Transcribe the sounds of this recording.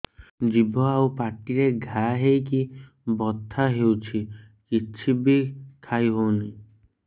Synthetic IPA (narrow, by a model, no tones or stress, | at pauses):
d͡ʒibʱɔawpaʈiɾeɡʱaɦejki | bɔt̪ʰːaɦewt͡ʃʰi | kit͡ʃʰibikʰajɦowni